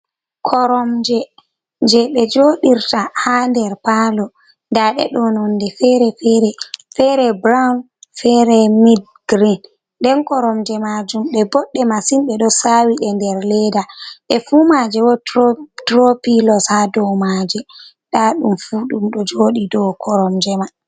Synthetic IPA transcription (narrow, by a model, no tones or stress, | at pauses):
kʰɔɾɔmd͡ʒɛ | d͡ʒɛɓɛd͡ʒoɗiɾtahandɛɾpalɔ | ndaɗɛ̰ɗɔnɔndɛfɛɾɛfɛɾɛfɛɾɛbɾawn | fɛɾɛmid | ɡ̥ɾin | dɛnkɔɾɔmd͡ʒɛmad͡ʒumɓɛbɔɗːɛmasinɓɛɗɔsawiɗɛndɛɾlɛdaɓɛfumad͡ʒɛwɔtɾopilɔshadɔmad͡ʒɛ | ɗaɗumfuɗumɗɔd͡ʒoɗidɔkʰɔɾɔmd͡ʒɛma